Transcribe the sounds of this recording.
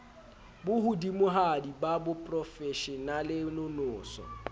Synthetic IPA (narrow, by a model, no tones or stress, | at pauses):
bʊhudimʊɦadibabʊpʼrɔfɛʃɛnalɪnʊnʊːsɔ̰